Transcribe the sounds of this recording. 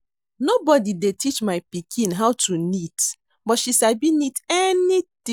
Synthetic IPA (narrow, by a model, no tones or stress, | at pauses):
nobɔdidetit͡ʃmaɪpikʰĩnɦaʊtʰunit | bɔtʃisabinitɛnit̪ĩ